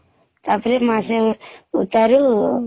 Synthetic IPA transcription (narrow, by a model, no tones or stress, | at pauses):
t̪apɾemaseut̪aɾu